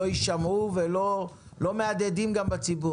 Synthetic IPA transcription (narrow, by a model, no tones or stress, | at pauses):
ojiʃamuvelo̞ | lo̞me̞ad̪ed̪imɡambat͡sibu